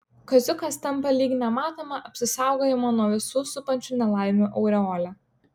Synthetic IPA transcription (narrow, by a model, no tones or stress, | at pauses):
kɐzʲʊkɐst̪ʲɐmˑpɐlʲiːɡʲnʲɛmɑːt̪oːmɐʔɐpʲsʲɪsɑˑʊɡoːjɛmoːnuɔʋʲɪsuːsʊpɐnʲt͡ʃʲuːnʲɛlˠɑˑɪmʲuʔɐʊɾʲɛoːlʲɛ